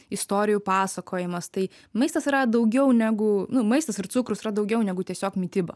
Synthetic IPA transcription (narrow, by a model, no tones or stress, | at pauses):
ɪst̪oːɾʲɪjuːpɑːsɐkʰoːjɪmɐst̪ɐɪ | mɐɪst̪ɐsɾɐd̪ɐʊɡʲɛʊnʲæɡʊnʊmɐɪst̪ɐsɪɾtsʊkɾʊsɪɾɐd̪ɐʊɡʲɛʊnʲɛɡʊt̪ʲiɛsʲoːkmʲɪt̪ʲɪbɐ